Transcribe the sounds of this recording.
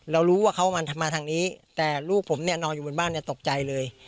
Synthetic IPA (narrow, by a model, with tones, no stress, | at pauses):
ɾa˧wɾuː˦˥waː˥˩kʰa˦˥wma˧nʰ˧mːaː˧t̪ʰaː˧ŋniː˦˥t̪ɛː˨˩luː˥˩k̚pʰo˩˦mni˥˩ɐnɔː˧njuː˨˩o˧nbaː˥˩˨nːi˥˩t̪o˨˩k̚t͡ɕa˧jlɤː˧j